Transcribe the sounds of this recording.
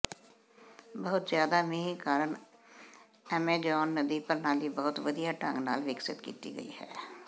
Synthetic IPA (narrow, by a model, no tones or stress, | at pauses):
bəɦʊt̪zjaːd̪aːmɪɦĩkaːɾəɳ | ɛːmẽːd͡ʒɔːnːəd̪iːpəɾnãːd̪iːbəɦʊt̪ʋəd̪ijaːʈə̰̃ŋɡna̰ːlʋɪksɪt̪kḭːt̪ḭːɡə̰ḭːhɛ̰ː